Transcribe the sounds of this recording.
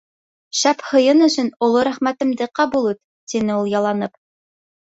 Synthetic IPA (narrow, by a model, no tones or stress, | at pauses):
ʃæphɤ̆jɤnɵ̆sɵ̆nŏlˠoɾæχmæt̪ɘ̆md̪ɘqɑbulˠut̪ | t̪inɘulˠjɑlˠɑnɤp